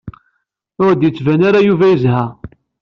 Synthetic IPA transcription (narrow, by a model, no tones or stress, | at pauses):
ʊɾd̪jət͡sːvænaɾajuvæjəzhæ